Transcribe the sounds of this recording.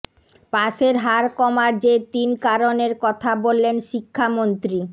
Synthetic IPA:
paʃeɾɦaɾkɔmaɾd͡ʑet̪inkaɾoneɾkɔt̪ʰabolːenʃikʰːamont̪ɾi

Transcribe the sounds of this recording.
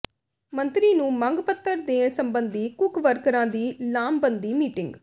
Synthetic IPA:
mə̃nt̪ɾiːnũːməŋɡpət̪ʰːəɾd̪eːnsəmbənd̪iːkʊkʋəɾkəɾãːd̪iːlaːmbənd̪iːmiːʈɪŋɡ

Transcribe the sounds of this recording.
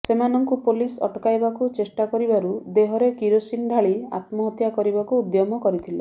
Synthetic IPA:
semanɔŋkupolisɔ̰ʈkajbakut͡ʃesʈakɔɾibaɾud̪eɦɔɾekiɾosinɖʱaɭia̰t̪mɔɦɔt̪jakɔɾibakuːd̪jɔmɔkɔɾit̪ʰile

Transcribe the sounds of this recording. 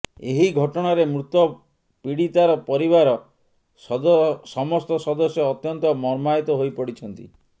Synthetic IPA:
eɦiɡʱɔʈɔɽ̃aɾemɾut̪ɔ | piɽit̪aɾɔpɔɾiβaɾɔ | ssɔmɔst̪ɔsɔd̪ɔsjɔːt̪jɔnt̪ɔmɔɾmajt̪ɔɦojpɔɽit͡ʃʰɔnt̪ḭ

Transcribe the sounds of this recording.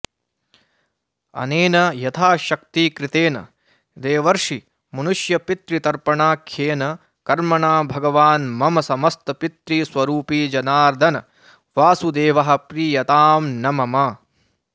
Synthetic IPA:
ɐ̰neːnɐjɐt̪ʰaːʃɐk̚t̪iːkɾɪt̪eːnɐ̰ | d̪eːʋɐɾʂi | mɐnuʂjɐpit̪ɾit̪ɐɾpɐɳaːkʰjeːnɐ | kɐɾmɐɳaːbʱɐɡɐʋaːnmɐmɐsɐmɐst̪ɐpit̪ɾisʋɐɾuːpiːd͡ʒɐnaːɾd̪ʱɐnɐ | ʋaːsud̪eːʋɐɦɐ̆pɾiːjɐt̪aːmnɐmɐmɐ

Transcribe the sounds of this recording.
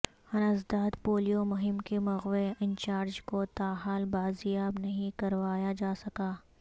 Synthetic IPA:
hɐnəzd̪aːd̪poːlijomʊɦɪmkemɐɣʋeɪ̃nt͡ʃaːɾd͡ʒkot̪aːɦaːlbaːzɪjaːbnɐɦĩkɐɾʋaːjad͡ʒaːsɐkaː

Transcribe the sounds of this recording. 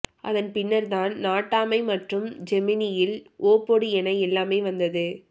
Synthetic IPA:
ʔɐ̰ðɐnpɪnːɐɾt̪aːnnaːʈːaːmɐɪmɐʈrɯmd͡ʒɛmɪnɪjɪlʔoːpoɽiɛnɐɪɛlːaːmeːʋɐnd̪ɐðɯ

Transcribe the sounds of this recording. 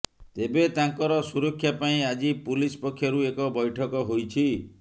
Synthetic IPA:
t̪ebet̪aŋkɔɾɔsuɾɔkʰːjapaĩad͡ʒipulispɔkʰːjaɾuekɔbɔjʈʰɔkɔɦojt͡ʃʰi

